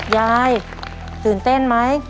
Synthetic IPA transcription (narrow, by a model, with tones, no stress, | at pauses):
jaː˧j | t̪ɯː˨˩nt̪e˥˩nma˦˥j